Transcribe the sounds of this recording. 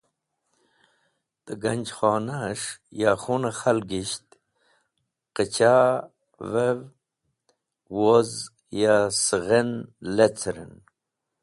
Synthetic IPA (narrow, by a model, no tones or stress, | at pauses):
d̪̥əɡanʲd͡ʑxɑːnaʂjaχunaxalɡiɕt̪ | qət͡ɕa | vev | woz | jasəɣenlet͡sʰɾḛn